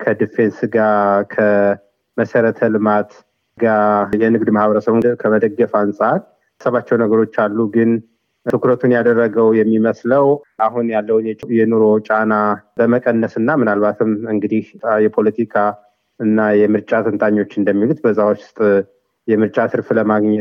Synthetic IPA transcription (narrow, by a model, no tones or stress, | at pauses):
kʰəd̪ifensɡakʰə | məsəɾət̪ʰəlɨmat̪ | ɡajɛnɨɡd̪mahbəɾəsəβunkʰəməd̪əɡːəfansʼaɾ | səβat͡ʃːɛwnəɡəɾo̞t͡ʃːalːuɡɨnʰ | ɨkuɾət̪ʰunjad̪ərːəɡəwjɛmːiməsləwʔaɦunjalːəwnjɛjɛnoɾo̞t͡ʃʼanabəməkʼənːəsɨnːamɨnalβat̪ʰɨmɨŋɡɨd̪ihjɛpʰo̞lət̪ʰikʰa | ɨnːajɛmɨɾt͡ʃʼat̪ʰənt̪ʰʼaɲːo̞t͡ʃːɨnd̪əmːilut̪̚bəzːawst̪ʼ | jɛmɨɾt͡ʃʼasɨɾfləmaɡɲɛ